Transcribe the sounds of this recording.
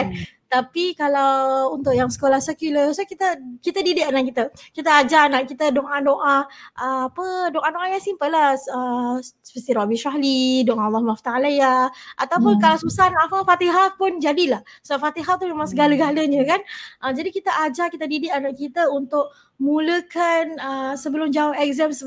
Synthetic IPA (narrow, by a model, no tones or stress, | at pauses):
t̪apikalawunt̪ʊʔjaŋsə̥kolahsəkuləsokit̪əkit̪ədidɪʔanakit̪əkit̪əad͡ʒaanaʔkit̪ədoʔadoʔaʔəapədoʔadoʔakansimpəlahəspəsiɾabiʃaɦlidoʔalːahmaft̪aalajaʔat̪awpʊnkalawsusanafafat̪iɦapʊnd͡ʒadilahsəbaʔfat̪iɦat̪umemaŋsəɡaləɡaləɲə̃kanʔəd͡ʒadikit̪əʔad͡ʒakit̪ədidɪʔanaʔkit̪əunt̪ʊʔ̚ | mũləkanəsəbəlʊmd͡ʒaʊhɛk̚zɛmsə